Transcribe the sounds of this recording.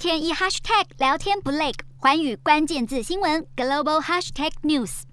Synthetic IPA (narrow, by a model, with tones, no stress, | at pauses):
t̪ʰjɛ˥ni˥xa˥ʂt̪ʰɛ˥˩k̚ljɑ˧˥ʊt̪ʰjɛ˥npu˧˥le˥˩ɪkxwa˧˥ny˨˩kwa˥nt͡ɕjɛ˥˧nt͡sɹ̩˥˩ɕi˥ŋwə˧˥nɡ̥ə˨lo˥˧ʊbo˧ʊxa˥ʂt̪ʰɛ˥˩k̚nju˥˩s